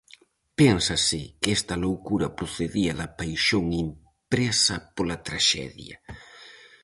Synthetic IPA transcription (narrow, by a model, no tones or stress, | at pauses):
pɛnsɐsɪkɛst̪ɐlowkuɾɐpɾoθeðiɐðɐpajʃoŋim | pɾɛsɐpolɐt̪ɾaʃɛ̰ðjɐ